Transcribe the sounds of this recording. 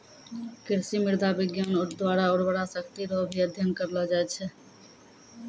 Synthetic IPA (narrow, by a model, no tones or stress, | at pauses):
kɪɾsimɪɾd̪ʱabɪɡjanoɾd̪waːɾaoːɾbəɽasəkt̪iɾɔɦbʱiəd̪ʱjənkəɾlad͡ʒaɛt͡ʃʰɛ